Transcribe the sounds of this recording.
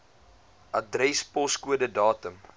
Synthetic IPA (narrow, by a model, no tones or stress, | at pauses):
ʔɐdrɛspɔskuədədɑːtəm